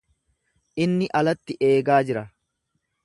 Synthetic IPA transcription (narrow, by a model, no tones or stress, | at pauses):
ʔɪnːɪʔɐlɐt̪ːɪʔe̞ːɡaːd͡ʒɪɾɐ